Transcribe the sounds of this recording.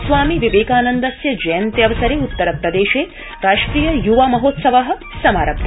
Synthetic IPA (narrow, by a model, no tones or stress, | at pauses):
sʋaːmiʋiʋeːkaːnɐnd̪ɐsjɐd͡ʒɐjɐnt̪jɐʋɐsɐɾeːut̪ːɐɾɐpɾɐd̪eːʃeː | ɾaːʂʈɾiːjɐjuʋaːmɐɦoːt̪sɐʋaɦɐ̆ | sɐmaːɾɐb